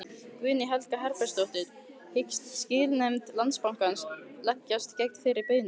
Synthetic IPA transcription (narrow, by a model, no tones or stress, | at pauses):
kvʏːnɪɦɛlkaɦɛɾpɛ̥st̪owht̪ɪð | hɪcst̪scɪːlnɛmt̪lant̪spawŋ̥kanslacːast̪cɛjk̚t̪fɪɾɪɾpeɥnʏ